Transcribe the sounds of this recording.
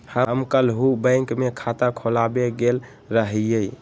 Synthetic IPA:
həmkəlɦubə̃ɪŋkmekʰat̪akʰolabeɡel | ɾəɦijəj

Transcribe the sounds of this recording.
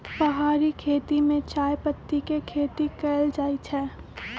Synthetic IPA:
pəɦaːɾikʰeːt̪imẽt͡ʃaːjpət̪ːikekʰeːt̪ikɛːld͡ʒaːit͡ʃʰɛː

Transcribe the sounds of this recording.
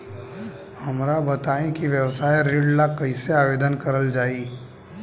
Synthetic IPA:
hɐmɾabɐt̪aːẽkiʋjəʋsaːjɾeːɖlakɐĩseaːʋeːd̪ənkɐɾəld͡ʒaːiː

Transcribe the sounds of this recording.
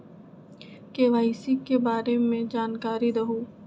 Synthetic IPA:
keːʋaːisikebaːɾemẽd͡ʒaːnkaːɾiɾɐɦuː

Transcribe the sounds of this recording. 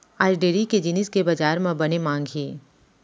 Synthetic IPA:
aːɾɖeːɾiked͡ʒɪnɪskebɐd͡ʒaːɾmẽbɐnemãːŋɡʱɦeː

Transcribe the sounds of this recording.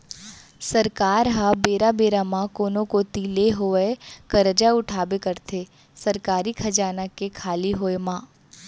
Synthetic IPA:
sɐɾkaːɾɦabeːɾabeːɾamãkoːnõkot̪iːleɦoekɐɾd͡ʒaʊʈʰaːbekəɾt̪ʰeː | sɐɾkaːɾikʰɐd͡ʒaːnəkːekʰaːliɦoːemãː

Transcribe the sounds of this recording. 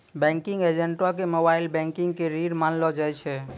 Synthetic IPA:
bɛ̃ŋkiŋɡed͡ʒeɳʈakemobailbɛ̃ŋkiŋɡkeɾiɖmanlɔd͡ʒajt͡ʃʰɛ

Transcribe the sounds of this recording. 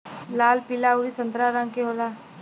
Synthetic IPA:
laːlpilauɾisə̃nt̪ɾaɾə̃ŋɡkeɦoːlaː

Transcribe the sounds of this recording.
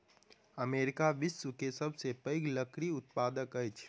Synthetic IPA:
əmeːɾɪkaʋɪsːukesəbʱsepəɪɡləkɾiʊt̪̚paːd̪əkəjt͡ʃʰ

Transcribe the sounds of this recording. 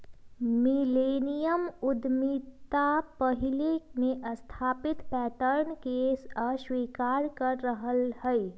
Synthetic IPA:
mileːnijəmʊd̪mit̪apəɦɪlemẽʔɐst̪ʰaːpɪt̪pɛːʈəɾnkeəswiːkaːɾkəɾːəɦəlhɛ

